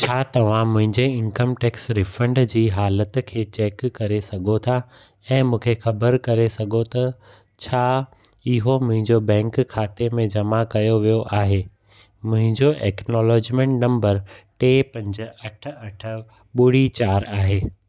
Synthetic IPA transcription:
t͡ɕʰaːt̪ɐʋ̤ãmʊ̃ɦɪ̃ɲd͡ʑeɪ̃nkəmʈeːksɾɪfə̃ɳɖd͡ʑiːɦaːlət̪kʰeːt͡ɕɛːkːɐɾesɐɡʱot̪ʰa | ɛ̃ːmũːkʰexɐbəɾkɐɾesɐɡʱot̪ɐ | t͡ɕʰaːɪɦomʊ̃ɦɪ̃ɲd͡ʑobɛ̃ːŋkkʰːaːt̪emẽd͡ʑɐmakɐjoʋijoʔaːɦeː | mʊ̃ɦɪ̃ɲd͡ʑoʔɛːknɔːlɔːd͡ʑmẽʈnɐ̃mbəɾʈeːpɐ̃ɲd͡ʑ̆ɐʈʰə̆ɐʈʰə | ɓʊɽ̤it͡ɕaːɾaːɦeː

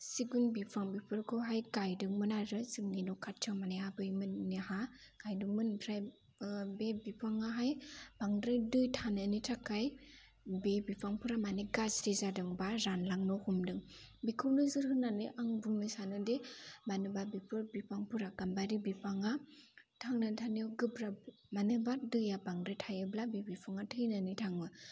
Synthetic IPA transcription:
siɡunbipʰɾaŋbipʰɯɾkʰɯɦajɡajdɯŋmɯnaɾɯsɯŋninɔkʰatʰɯmaneabɯjmɯnnihaɡ̥ajduŋmɯntʰɾaj | bebipʰaŋaɦajb̥aŋdɾɯjdɯjtʰanɯnitʰakaj | bebipʰaŋpʰuɾamaniɡasɾizadɯŋbaɾanlaŋnɔhumdɯŋ | bikʰɯwnɯzɯɾhɯnːanɯʔaŋbuŋnɯsanɯdemanɯbabipʰɯɾbipaŋpʰɯɾaɡ̥ambaɾibipʰaŋa | tʰaŋnɯntʰaniɔɡɯbɾa | manɯbadɯjabaŋdɾɯjtʰajɯblabebipʰaŋatʰɯjnanitʰaŋbɯ

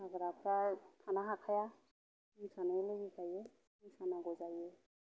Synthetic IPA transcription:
aɡɾapʰɾatʰanaɦakʰaja | isʰanaileɡikaje | isʰanaɡɔd͡ʒaje

